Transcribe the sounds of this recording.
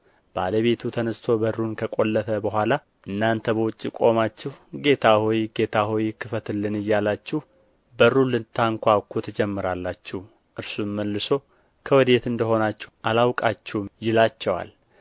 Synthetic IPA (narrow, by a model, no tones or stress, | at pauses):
b̥a̰ləβe̞t̪ʰut̪ʰənəst̪ʰo̞bərunkʰəkʼo̞lːət̪ʰəbəɦʷala | ʔɨnːant̪ʰəbəwʊt͡ʃʼːikʼo̞mat͡ʃːɛhɡe̞t̪ʰahojɡe̞t̪ʰaɦojkʰɨfət̪ɨlːɨnɨjːalat͡ʃːɪh | bərulɨnt̪ʰaŋkʷakʰut̪ʰəd͡ʒɛmːɨɾalːat͡ʃːɛh | ʔɨɾsumːəlːɨso̞ | kʰəwɔd̪e̞t̪ɨnd̪əɦo̞nat͡ʃːɛʔalawkʼat͡ʃːɛwmjɪlat͡ʃːɛwa̰l